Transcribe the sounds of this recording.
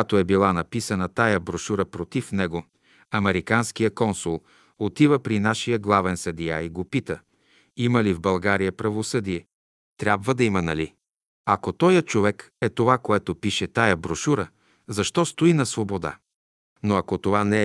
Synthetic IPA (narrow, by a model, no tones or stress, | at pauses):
at̪oɛbilˠanɐpisɐnɐt̪ajəbɾoʃuɾəpɾot̪ifnɛɡo | ɐmɛɾikanskijəkɔnsulˠ | ot̪ivəpɾinaʃijəɡlˠavɛnsɐd̪ijaiɡopit̪ə | iməlivbɐlˠɡaɾijəpɾɐvosɤd̪ijɛ | t̪ɾʲabvəd̪ɐimɐnɐli | ɐkot̪ɔjɐt͡ʃovɛkɛt̪ovakoɛt̪opiʃɛt̪ajɐbɾoʃuɾə | zɐʃt̪ɔst̪oinɐsvobod̪a̰ | noɐkot̪ovanɛ